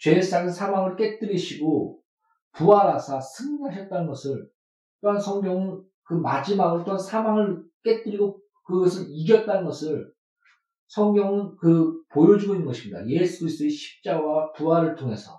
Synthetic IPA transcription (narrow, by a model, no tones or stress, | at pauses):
t͡ɕwe̞ːs͈aŋɯsʰamwaŋɯɭk͈et͈ɯɾiɕʰiɡo | puaɾasʰasʰɯŋɡaɕʰʌt̚t͈anɯnɡʌsʰɯɭ | t͈oansʰʌŋɡjʌŋɯn | kɯmad͡ʑimaɡɯɭt͈oansʰamwaŋɯɭk͈e̞t͈ɯɾiɡo | kɯɡʌsʰɯniɡjʌt̚t͈anɯnɡʌsʰɯɭ | sʰʌŋɡjʌŋɯnkɯpojʌd͡ʑiɡoinːɯnɡʌɕʰimɲida̰je̞sʰuis͈ɯeɕʰi̥p̚t͡ɕ͈awapuaɾɯɭtʰoŋɦe̞sʰʌ̰